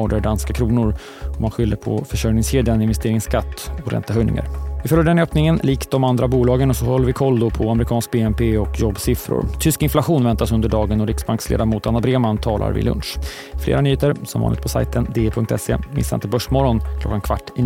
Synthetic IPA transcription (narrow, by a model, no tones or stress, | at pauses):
ɔːɖəɖanskakʰɾuːnʊɾ | ɔmːanɧʏlːəpʰɔ̰fœʂœɾnɪŋsheːd̪janɪnvɛst̪eːɾɪŋskʰat̪ːɔɾɛ̰nt̪aɦœjnɪ̰ŋa̰ɾvɪfœlːəɖɛnøːpnɪŋənliːk̪d̪ɔmand̪ɾabuːlɑːɡənɔsɔhɔlːəvɪkʰɔld̪ʊpʰɔamɾɪkʰɑːnsk̚beːɛmpeːɔkjɔbːsɪfɾʊ̰ɾt̪ʰʏskɪnflaɧuːnvɛnt̪asɵnd̪əɖɑːɡənɔɾɪksbaŋkslḛːd̪amuːt̪anːabɾeːmant̪ʰɑːlʔa̰ɾvɪ̰lɵ̰nʂ | flḛːɾanyːeːt̪əɾsɔmvɑ̰nɪ̰t̪pʰɔsa̰jt̪ʰənd̪eːpʰɵŋkt̪ʰɛsːḛmɪ̰sːaɾɪnt̪ʰɛbœʂmɔɾɔnkʰlɔ̰kːankʰv̥aʈːɪ